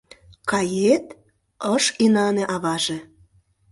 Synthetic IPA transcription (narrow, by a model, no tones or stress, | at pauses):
kɑjet̪ | əʃinɑnĕʔɑβɑʒĕ